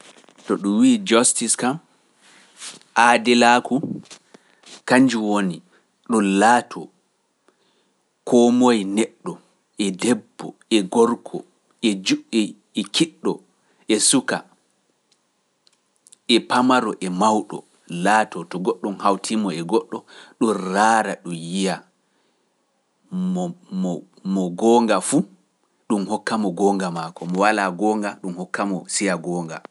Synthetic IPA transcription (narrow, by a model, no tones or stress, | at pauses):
tɔɗumwiːd͡ʒɔstiskam | ʔadɛlaːku | kaɲd͡ʒuwoni | ɗɔnlaːtʰɔ | kʰɔmojnɛɗːɔ | ʔɛdɛbːɔ̰ɛɡɔɾkʰɔ̰ | ɛd͡ʒuʔi | ɛkʰiɗːɔ | ʔɛsuka | ʔɛpamaɾɔʔɛmawɗɔ̰ | laːtɔtɔɡɔɗːɔmhawtʰimɔɛɡɔɗːɔɗunraːɾaɗumjija | mɔ | mɔɡɔːŋɡafu | ɗumhɔkːamɔɡɔːŋɡamakɔmɔwalaɡɔːŋɡaɗumhɔkʰːamɔsijaɡɔːŋɡa